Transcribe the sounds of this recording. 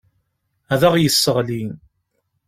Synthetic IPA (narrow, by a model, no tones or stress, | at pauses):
æðæʁjəsːəʁlin